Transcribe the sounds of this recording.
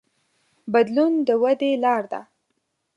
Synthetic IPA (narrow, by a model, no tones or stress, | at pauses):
bad̪lund̪əwad̪elɑɾd̪a̰